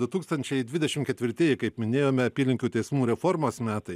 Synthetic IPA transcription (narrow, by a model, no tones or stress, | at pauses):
d̪ʊt̪uːkst̪ɐnʲt͡ʃʲɛɪd̪ʲʋʲɪd̪ʲɛʃʲɪmkʲɛt̪ʲʋʲɪɾʲt̪ʲeːjɪkɐɪpmʲɪnʲeːjoːmʲɛɐpʲiːlʲɪŋʲkʲuːt̪ʲɛɪsmuːɾʲɛfoɾmoːsmʲæːt̪ɐɪ